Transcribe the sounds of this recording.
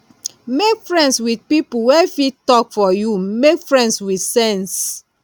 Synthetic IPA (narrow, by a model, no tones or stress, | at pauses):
mekfɹɛ̃ndswidpipuwɛfittɔkfɔjumekfɹɛ̃ndswidsɛ̃ns